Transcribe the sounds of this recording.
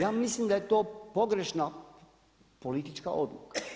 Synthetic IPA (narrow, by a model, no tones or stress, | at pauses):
jaːmislimd̪ajet̪o̞ːpo̞ɡɾe̞ʃna | polit̪it͡ʃka̰ʔo̞d̪luka